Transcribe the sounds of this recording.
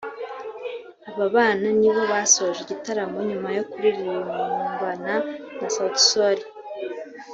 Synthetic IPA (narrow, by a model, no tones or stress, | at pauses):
aβaβaːnaniβo̞βasoʒeɟitaɾamo̞ɲumajo̞kuɾiɾiɾimuumbananasatsoɾi